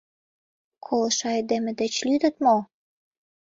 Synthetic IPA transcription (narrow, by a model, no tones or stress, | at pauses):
kʰoloʃɑed̪emĕd̪et͡ɕlyd̪ə̆t̪mo